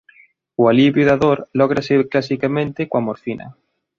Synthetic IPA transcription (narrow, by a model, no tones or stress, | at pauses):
ualiβjuðaðoɾlɔɣ̞ɾaseklasikamẽnt̪ekwamoɾfinɐ̰